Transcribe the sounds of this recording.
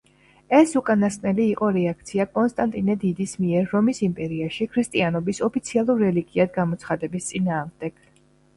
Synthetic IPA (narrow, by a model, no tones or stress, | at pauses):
ɛsukʼanaskʼnɛliːqʼɔɾɛak̚ʰt̪sʰiakʼɔnst̪ʼant̪ʼinɛd̪id̪ismiɛɾːɔmisimpʼɛɾiaʃikʰɾist̪ʼianɔbisɔpʰit̪sʰialˠuɾːɛliɡiad̪ɡamɔt̪sʰχad̪ɛbist̪sʼinaːʁmd̪ɛɡ̥